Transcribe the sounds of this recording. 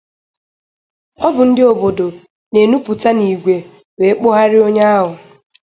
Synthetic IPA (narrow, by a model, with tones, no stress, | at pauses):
ɔ˦bʊ˨n̩˦dɪ˦o˨bo˨do˨ | ne˨nu˦pʊ˨ta˦ni˨ɡʷe˨ | we˨˦k͡po˦ɦa˦ɾɪ˦o˦ɲa˦a˦ɦʊ˨